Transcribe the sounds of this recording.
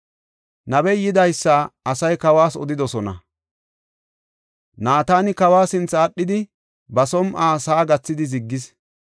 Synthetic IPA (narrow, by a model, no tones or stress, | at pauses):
nɐbɛjɪd̪ɐjsːaɐsɐjkɐwaːsɔ̰d̪ɪd̪ɔsɔnɐ̰ | naːt̪aːnɪkɐwaːsɪnt͡sːɐːɗːɪd̪ɪ | bɐsɔmʔaːsaːɡɐt͡sːɪd̪ɪzɪɡːɪs